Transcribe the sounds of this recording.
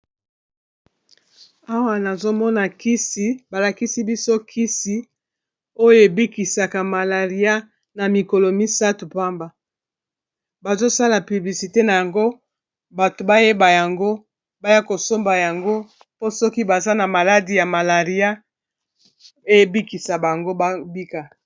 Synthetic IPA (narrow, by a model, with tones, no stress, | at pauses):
a˦wa˦na˨zo˦mɔ˦na˨ki˦si˨ba˨la˨ki˦si˦bi˦so˦kʰi˦si˦ | o˦jo˦˨e˨bi˦ki˨sa˨ka˨ma˨la˨ʁi˦a˦ | na˨mi˨ko˨lo˨mi˦sa˦tu˨pa˦mba˨ | ba˨zo˦sa˦la˨py˨bli˨si˨te˦na˨ja˨ŋɡo˦ | ba˨to˨ba˦je˦ba˨ja˨ŋɡo˦ | ba˦ja˦ko˨so˦mba˨ja˨ŋɡo˦ | po˦sɔ˦ki˦ba˨za˦na˨ma˨la˦di˨ja˨ma˨la˨ʁi˦a˦ | e˦e˨bi˦ki˨sa˨ba˨ŋɡo˦ba˦bi˦ka˨